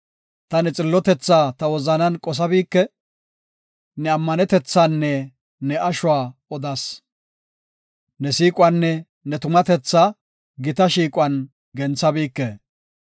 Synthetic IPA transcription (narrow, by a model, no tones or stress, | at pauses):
t̪ɐnɛt͡sʼɪlːɔt̪ɛt͡sːaːt̪ɐwɔzɐnɐnkʼɔs̬ɐbiːkːɛ | nɛɐmːɐnɛt̪ɛt͡sːaːnːɛ | nɛʔɐʃʊwaːɔd̪ɐs | nɛsiːkʼʊwɐnːɛ | nɛt̪ʊmɐt̪ɛt͡sːaː | ɡɪt̪ɐʃiːkʼʊwɐn | ɡɛnt͡sːɐbiːkːɛ